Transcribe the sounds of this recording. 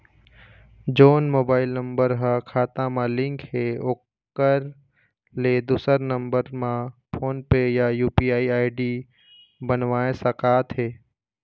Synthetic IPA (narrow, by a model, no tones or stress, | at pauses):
d͡ʒoːnmoːbaːɪlnə̃mbəɾɦəkʰaːt̪ãmãlɪ̃ŋkɦeoːkː | əɾ | led̪uːsəɾnə̃mbəɾmãpʰoːnpejajuːpiːaːiaːɪɖi | bənʋaːẽsəkaːt̪ɦeː